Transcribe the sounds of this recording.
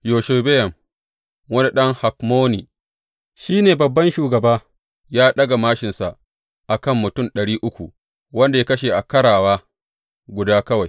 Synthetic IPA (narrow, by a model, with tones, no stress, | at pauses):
joː˨ʃe˨be˦jɐ˨m | wɐ˦ni˦ɗɐ˦ŋha˨k̚moː˦ni˨ | ʃiː˦neː˨bɐ˨bːɐ˦nʃuː˨ɡɐ˨baː˦ | jaː˦ɗɐ˦ɡa˨maː˦ʃɪ˨nsa˨ʔ | ʔa˨kɐ˦˨mːʊ˨tʊ˦˨mɗɐ˨ɽiː˦ʔʊ˦kʷu˨ | wɐ˦nda˨ja˦kɐ˦ʃeː˨ʔa˨kɐ˦ɽaː˨waː˦ | ɡʷʊ˨daː˦kɐ˦wa˨j